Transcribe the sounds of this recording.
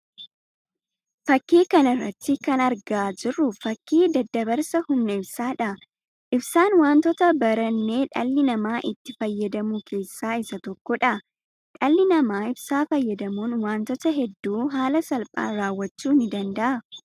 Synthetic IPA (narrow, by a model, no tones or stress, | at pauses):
fɐkːiːkɐnɐrːɐ̰t̪ːɪkɐnɐɾɡaːd͡ʒɪrːʊfɐkːiːd̪ɐd̪ːɐbɐɾsɐhʊmnɐɪbsaːᶑɐ | ʔɪbsaːnwaːnt̪ɔt̪ɐbɐɾɐnːe̞ːᶑɐlːɪnɐmaːʔɪt̪ːɪfɐjːɐd̪ɐmuːkʰe̞ːsːaːɪsɐt̪ɔkːɔᶑɐ | ᶑɐlːɪnɐmaːɪbsaːfɐjːɐd̪ɐmuːnwaːnt̪ɔt̪ɐɦɛd̪ːuːɦaːlɐsɐlpʼa̰ːnɾaːwːɐt͡ʃːuːnɪd̪ɐnd̪ɐʔɐ